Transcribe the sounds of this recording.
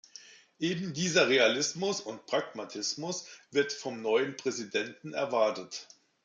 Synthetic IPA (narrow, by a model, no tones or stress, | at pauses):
ʔeːbm̩diːzɐʁealɪsmʊsʊnt̚pʁ̥akmatʰɪsmʊsv̥ɪɐtfɔmnɔʏənpʁ̥ɛzidɛntn̩ɛ̰ɐvaɐtət